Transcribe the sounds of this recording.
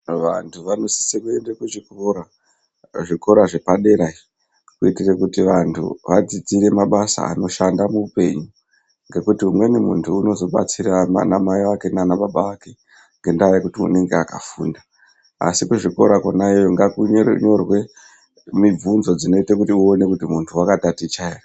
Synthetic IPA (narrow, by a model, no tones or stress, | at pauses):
ʋantʰuʋano̞si̥sekue̞ndekuʐikoɾa | ʐiko̞ɾaʐe̞paɗe̞ɾaii | kuitirekutiʋantʰṵʋad͡zid͡ziɾe̞maɓasa̰a̰no̞ʃandamuupe̞ɲu | ŋɡe̞kutiumwe̞nimṵntʰuːno̞zo̞ɓa̰t͡siɾama̰namaiwake̞nanaɓaɓaake̞ | ŋɡe̞ndajekutiṵne̞ŋɡeaka̰fuːnda | a̰sikuʐiko̞̰ɾakwanaejoŋɡakuɲo̞rwe̞ | mib͡vunzo̞d͡zino̞itakutiuone̞kutimuntʰuwakatatit͡ʃaera